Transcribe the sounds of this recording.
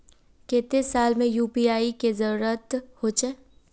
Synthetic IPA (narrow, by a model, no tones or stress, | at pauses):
kẽːt̪esaːlmẽjuːpiaːikezɐɾuɾət̪hot͡ʃeː